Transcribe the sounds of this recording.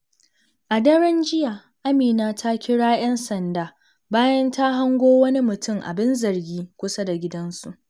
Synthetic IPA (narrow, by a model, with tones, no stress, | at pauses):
ʔa˨dɐ˦ɽɐ˦nd͡ʒɪ˦jaː˨ | ʔa˦miː˨naː˦tʰa˦kʲɪ˦ɽaː˦j̰ɐ˦nsɐ˨ndaː˨ | baː˦jɐ˦nta˦ɦa˦ŋɡʷoː˦wɐ˦ni˦mʊ˨tʊ˦˨ŋʔa̰˨bɪ˦nzɐ˨rɡʲiː˦kʷʊ˦sa˦da˨ɡʲɪ˦dɐ˦nsu˨ʔ